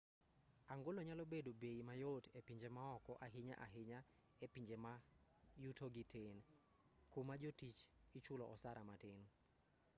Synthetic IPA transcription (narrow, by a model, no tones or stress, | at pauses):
aŋɡoloɲalobedobeimajotepiɲd͡ʒemaɔkɔʔaɦɪɲa̰ʔa̰ɦɪɲa | epiɲd͡ʒemajutʰoɡitʰen | komad͡ʒotit͡ʃit͡ʃʊlɔʔɔsaɾamatɪn